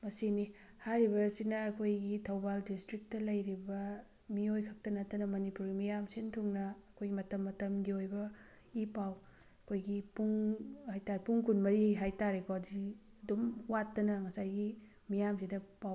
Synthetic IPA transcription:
mɐsini | haɾiβɐsinɐːkʰojɡitʰɐwbaldistɾik̚tɐlɐjɾibɐ | miojkʰɐk̚tɐnɐtːɐnɐmɐnipuɾɡimijamsentʰuŋnɐːkʰojɡimɐtɐmːɐtɐmɡiojbɐ | ipaw | ɐkʰojɡipuŋhajtaɾpuŋkʰunmɐɾiɦajtaɾekʰɔɐdiɐdumwatːɐnɐŋɐsajɡi | mijamsinɐpaw

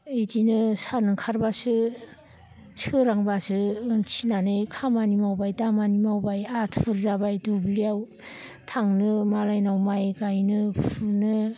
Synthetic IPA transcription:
ɯdinɯsanɯkʰaɾbasɯ | sɯɾaŋbasɯt͡ʃʰinanɯjkʰamanimawbajdamanimawbajatʰuɾzabajdubliaw | tʰaŋnɯmalajnawmajɡajnɯpʰunɯ

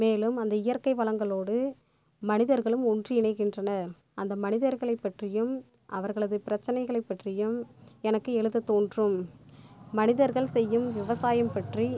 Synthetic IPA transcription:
meːlɯmɐnd̪ɐɪjɐɾkɐɪʋɐɭɐŋɡɐɭoːɽɯ | mɐnɪðɐɾɣɐɭɯmɔndriɪɳɐɪkːɪndrɐnɐ | ʔɐnd̪ɐmɐnɪðɐɾɣɐɭɐɪpːɐʈrɪjɯm | ʔɐʋɐɾɣɐɭɐðɯpɪɾɐt͡ʃːɐnɐɪɣɐɭɐɪpːɐʈrɪjɯmɛnɐkːɯɛɭɯðɐt̪oːndrɯmː | ɐnɪðɐɾɣɐɭsɛjːɯmʋɪʋɐsaːjɐmpɐʈri

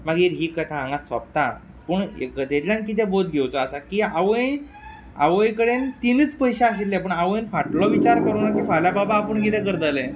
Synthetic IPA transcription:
maɡiːɾɦiːkət̪ʰaãŋɡasʋa̰p̚t̪a | pəɳḛkət̪et̪lʲjãnkit̪̬ɛ̃bod̪̚ɡʱewt͡sɔasakiːaʋəj | a̰ʋəjkəɽent̪init͡spəjɕaaɕit̪ːap̬əɳaʋəjnfaʈlɔʋit͡ɕaɾkəɾunakiːfaljababaːpəɳɡit̪ɛkəɾd̪əlɛ̃

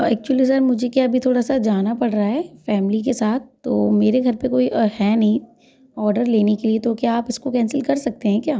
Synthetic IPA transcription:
ɛ̰ːk̚t͡ʃuwəlisɐɾmʊd͡ʒʱekjaːbʱit̪ʰoːɽasad͡ʒaːnapɐɽɾaɦɛːfɛːmlikesaːt̪̚ʰt̪ːo̰ːmeːɾeɡʱɐɾpekoːihɛːnɐɦĩ | ɔːɾɖəɾleːnekeliet̪okjaːpɪskokɛ̃ːnsɪlkɐɾsɐk̚t̪eɦɛ̃kjaː

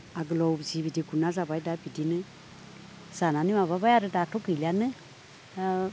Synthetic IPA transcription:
aɡəlɔwbzibidiɡunazabaidabidinɨ | z̥ananimaβabajaɾɨdatoɡɨlianɨ

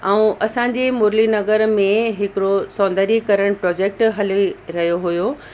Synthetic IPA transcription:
ɛũʔɐsãːɲ̆d͡ʑeːmʊːɾlinɐɣəɾmẽɦɪkɪɾosɔ̃ːnd̪əɾikɐɾəɽ̃ʊpɾɔːd͡ʑeːk̚ʈɦɐliɾɐɦijoɦʊjo

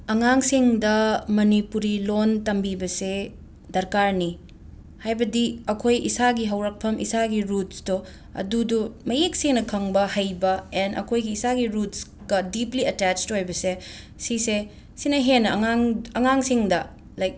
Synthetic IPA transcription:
ɐŋaŋsiŋdɐmɐnipuɾilontɐmbibɐse | dɐɾkaɾni | hajbɐdiɐkʰojisaɡiɦɐwɾɐk̚pʰɐmʔḭsaɡiɾutsdo | ɐ̰dudumɐjek̚seŋnɐkʰɐŋbɐhɐjbɐenɐ̰kʰojɡiːsaɡiɾuts | ɡ̥ɐdipliɐtɛt͡ʃthojbɐse | sise | sinɐɦenɐŋaŋɐŋaŋsiŋdɐ | lajk̚

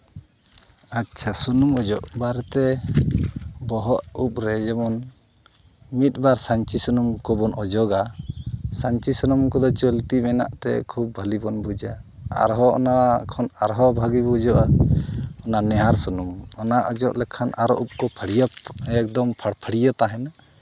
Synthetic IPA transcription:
atːt͡ʃʰasunumɔd͡ʒɔʔbaɾt̪ɛ | bɔɦɔʔup̚ɾɛd͡ʒɛmɔn | mit̪̚ˀbaɾsaɲt͡ʃisunumkɔbɔnʔɔd͡ʒɔɡa | saɲt͡ʃisɔnumkɔd̪ɔt͡ʃolt̪imɛna̰ʔt̪ɛ̰kʰub̚bʱalibɔnbʱud͡ʒaa̰ɾɦɔʔɔ̰nakʰɔnaɾɦɔbʱaɡibud͡ʒɔʔa | ɔnanɛɦaɾsunumɔnaʔɔd͡ʒɔʔlɛkʰanʔaɾɔ̰ʔup̚kɔpʰəɽijaɛk̚d̪ɔmpʰaɽpʰəɽijat̪aɦɛna

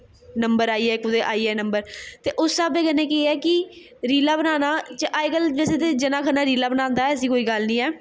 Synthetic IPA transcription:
nəmbəɾaːiːɛːkʊd̪eːʔaːiːɛːnəmbəɾt̪eːʔʊsːaːbeːɡənːeːkeiɛːkɪ | ɾiːlaːbənaːnaːt͡ʃəʔaːekəld͡ʒɛːseːt̪ed͡ʒənaːkʰənaːɾiːlaːbənãːnd̪aːɛːəs̬ĩːkoːiːɡəlnĩːɛː

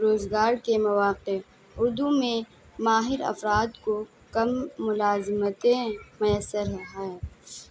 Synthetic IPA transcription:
ɾoːzɡaːɾkemɐʋaːqe | ʊɾd̪umẽ | maːɦɪɾɐ̰fɾaːd̪ko | kɐmːʊlaːzɪmət̪ẽmʊjəsːəɾɦaɛɛ

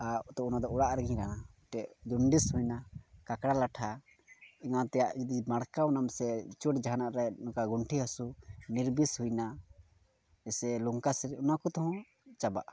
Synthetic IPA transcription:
at̪ɔunad̪ɔuɽaʔɾɛɡĩɲɾanaʈɛʔd͡ʒuɳɖishujnakakɽalaʈʰa | iŋat̪ɛjaʔd͡ʒid̪imaɽkawnamsɛt͡ʃuʈd͡ʒaɦanaʔɾɛnɔkaɡuɳʈʰiɦasuniɾbishujna | ɛsɛluŋkasɛɾɛunakɔt̪ɔɦɔ̃ | t͡ʃaba̰ʔ

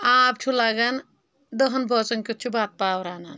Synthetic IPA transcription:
aːb̚t͡ʃʰulaɡan | d̪əɦɐnbʱɔt͡sɐnkut̪̚t͡ʃʰubaːt̪̚paːwɾaːnan

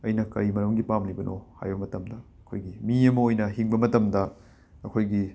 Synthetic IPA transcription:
ɐjnɐkɐɾimɐɾɐmɡipamlibɐnʔo̰ha̰jbɐmɐtɐmdɐɐkʰojɡimiɐmɐojnɐɦiŋbɐmɐtɐmdɐ | ɐkʰojɡi

